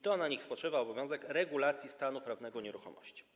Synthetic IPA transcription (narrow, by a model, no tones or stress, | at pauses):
t̪ɔnaɲixspɔtʂɘvaɔbɔvʲjɔ̃w̃zɛkɾɛɡulat̪sʲjist̪anupɾavnɛɡɔɲɛɾuxɔ̰mɔ̰ɕt͡ɕi̥